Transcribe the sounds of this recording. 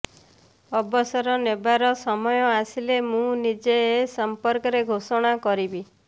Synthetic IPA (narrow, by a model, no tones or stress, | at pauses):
ɔbɔsɔɾɔnebaɾɔsɔmɔjɔasilemũnid͡ʒeesɔmpɔɾkɔɾeɡʱosɔɽ̃akɔɾibi